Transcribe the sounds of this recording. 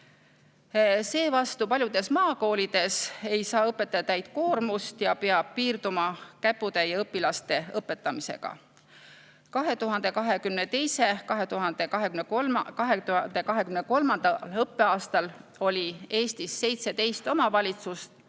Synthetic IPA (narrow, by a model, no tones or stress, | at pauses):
se̞ːvɑst̪upɑlʲjud̪̥e̞smɑːko̞ːlid̪̥e̞se̞jsɑːɤpːˑe̞t̪ːˑɑt̪ːæjd̪̥̚ko̞ːrmust̪jɑpeɑb̥̚piːrd̪̥umɑkæpːˑud̪̥e̞jɑɤpːˑilɑst̪e̞ɤpːˑe̞t̪ːˑɑmise̞̰ɡ̥ɑ̰ | kɑɦe̞t̪uɦɑnd̪e̞kɑɦe̞kymnet̪e̞jse̞kɑɦe̞t̪uɦɑnd̪̥eɑɦekymnekɑɦend̪ekɑɦe̞kymneko̞lmɑnd̪ɑlɤpːe̞ɑːst̪ɑlo̞lʲie̞ːst̪isːe̞jt̪se̞d̪e̞jst̪o̞mɑvɑlʲit̪sust̪